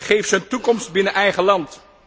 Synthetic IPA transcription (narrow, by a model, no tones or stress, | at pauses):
χejfsəntukɔmstbɪnəʔɛjχəlɑnt